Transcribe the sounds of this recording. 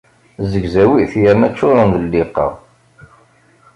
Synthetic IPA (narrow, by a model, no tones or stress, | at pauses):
zəɡzæwiθjænæt͡ʃːʊɾˤɑnðəlːɪqːɑ̰